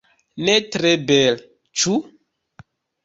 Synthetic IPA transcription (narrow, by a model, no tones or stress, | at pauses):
netɾebɛl | t͡ʃu